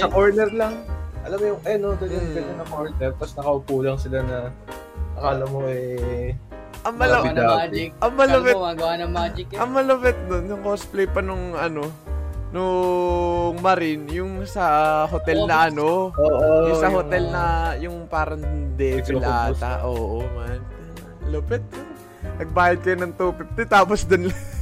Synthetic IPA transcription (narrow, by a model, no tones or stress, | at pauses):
sɐkoɹnɛɾlɐŋʔɐlɐmːojʊŋʔɐanod̪onjʊŋbɛnɐnɐkoɹnɛɾt̪ɐsnɐkɐhukuːlɐŋsɪlanɐ | ʔɐkaːlɐmoʔɛ | ʔɐŋmɐlɐaːaɐŋmɐlɐwɛaɡɐwanɐmad͡ʒɪkʔɐŋmɐlɐwɛt̪̚d̪onjʊŋkosplɛjpɐnʊŋɐno̞ | no | ŋmɐɾɪnjʊŋsɐhot̪ɛlnɐʔɐno̞oʔojʊŋsɐhot̪ɛlnɐjʊŋpaːɾɐŋd̪ɛbɪlaːt̪ɐ̰ʔoːʔomanɐŋ | lopɛt̪̚ | nɐɡ̚baːjɪd̪̚kɐjonɐŋt̪uːpɪt̪̚ːɪt̪aːposd̪onlɐŋ